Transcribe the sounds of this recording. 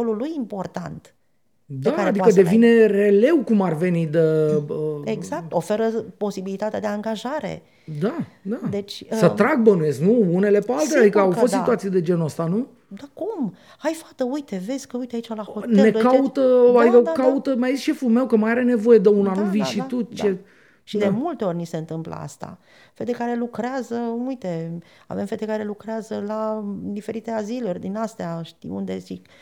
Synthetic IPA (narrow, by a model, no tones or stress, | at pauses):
olulujimpo̞rt̪a̰nt̪ | d̪aad̪ikəd̪e̞vine̞re̞le̞wkumarve̞nid̪əəeɡzak̚t̪ofe̞ɾəpo̞sibilit̪at̪ea̰d̪e̞aŋɡaʒaɾḛ | d̪ad̪ad̪et͡ʃʲsət̪ɾaɡ̚bənuje̞sknuune̞le̞pealt̪ead̪ikəawfost̪sit̪uat̪sijed̪e̞d͡ʒe̞nəst̪anu | d̪akum | ajfḁt̪əujt̪e̞ve̞zʲkəujt̪eait͡ʃalaho̞t̪neekaut̪əakaut̪əmjajzisʃe̞fulmewkəmajaɾe̞ne̞vo̞je̞d̪eunanuviʃit̪ut͡ʃe | ʃid̪e̞mult̪eo̞rʲnise̞ɨnt̪ɨmplə̰a̰st̪a̰ | fed̪ekaɾe̞lukɾeazəujt̪e̞ | a̰vemfe̞d̪ekaɾe̞lukɾeazəlad̪ife̞ɾit̪e̞azilurʲd̪inast̪eaʃt̪ḭṵnd̪e̞zik